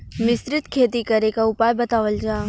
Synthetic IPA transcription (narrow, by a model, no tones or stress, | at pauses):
mɪsɾɪt̪kʰeːt̪ikɐɾekaʊpaːjbɐt̪aːʋəld͡ʒaː